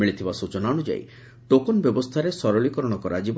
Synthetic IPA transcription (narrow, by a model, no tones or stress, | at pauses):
miɭit̪ʰibasut͡ʃɔnaɔɽ̃ud͡ʒa̰ḭ | t̪okonbjɔbɔst̪ʰaɾesɔɾɔɭikɔɾɔɽ̃ɔkɔɾad͡ʒib